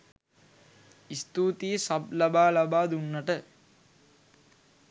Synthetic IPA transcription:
ist̪uːt̪ijesab̚labaːlabaːd̪unːaʈə

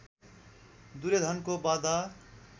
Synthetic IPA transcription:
d̪uɾed̪ʱʌnkobad̪a

